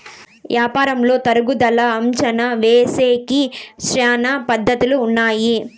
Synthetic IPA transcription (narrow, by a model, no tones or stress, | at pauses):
ʋjaːpaːɾɐmlo̞ːt̪ɐɾuɡud̪ɐlɐːmt͡ʃɐnɐʋeːseːkiʃɾaːnɐpɐd̪ːɐt̪uluːnːaːji